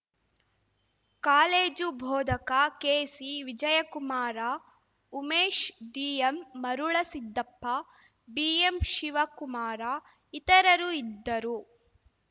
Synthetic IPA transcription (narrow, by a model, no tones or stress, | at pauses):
kaːleːd͡ʒubʱɔːd̪ʱɐkakeːsiʋid͡ʒɐjɐkumaːɾa | umeːʃɖiːemːɐɾuɭɐsid̪ːɐpːɐ | biːemʃiʋɐkumaːɾa | it̪ɐɾɐɾuid̪ːɐɾu